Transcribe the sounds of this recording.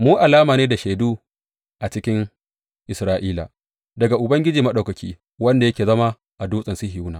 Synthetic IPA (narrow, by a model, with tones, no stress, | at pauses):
muː˦ʔa˨laː˦maː˨neː˦da˨ʃeː˨duː˦ | ʔa˨t͡ʃɪ˦kʲɪ˦ŋ | ʔɪ˨sɾaː˦ʔiː˦la̰˨ | dɐ˨ɡa˨ʔʊ˨bɐ˦ŋɡʲɪ˦d͡ʒiː˨mɐ˦ɗa˨wkɐ˨kʲʰiː˦ | wɐ˦nda˨jɐ˦kʲeː˨zɐ˦ma˦ | ʔa˨duː˦sʼɐ˨nsi˦hɪ˨uː˦naː˨